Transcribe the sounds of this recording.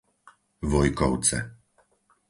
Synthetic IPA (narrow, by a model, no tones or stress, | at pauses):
vɔjkɔwt̪sɛ̰